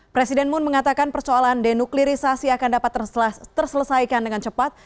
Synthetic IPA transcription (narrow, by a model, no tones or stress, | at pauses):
pɾesidɛnmʊnməŋat̪akanpərsoalandɛnukliɾisasiakandapat̪ːət̪ərsələsajkandəŋant͡ʃəpat̪̚